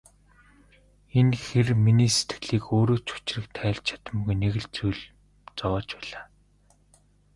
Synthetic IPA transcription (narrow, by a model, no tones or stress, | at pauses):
enxerminiːse̥t̪̆ɮiːkoːɾoːt͡ɕʰu̥t͡ɕrɘ̆k̚t̪ʰæːɮt͡ɕʰḁt̪ə̆mɣujneɣɘ̆ɮt͡sujɮ | t͡sɔːt͡ɕpæːɮ̥aː